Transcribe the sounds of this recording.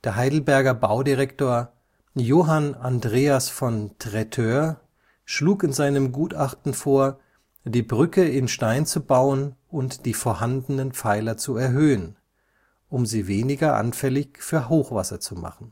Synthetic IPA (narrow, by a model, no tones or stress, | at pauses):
d̥eːɐɦaɪdl̩bɛɐɡɐbaʊdiʁɛktoːɐ | joːɦanandʁeːasfɔntʁ̥ɛtʰøːɐ | ʃluːkɪnzaɪnəmɡuːtaχtn̩foːɐ | d̥iːbʁʏkəɪnʃtaɪnt͡subaʊənʊntd̥iːfoːɐhandənənpp͡faɪlɐt͡suɛɐɦøːən | ʔʊmziːveːnɪɡɐʔa̰nfɛlɪçfyːɐɦoːxv̥asɐt͡suma̰χn̩